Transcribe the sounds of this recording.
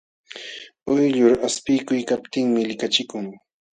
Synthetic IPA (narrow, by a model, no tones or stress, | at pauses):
ʊjʎʊɾaspɪjkʊjkap̚t̪ɪŋmɪlɪkat͡ʃɪkʊŋ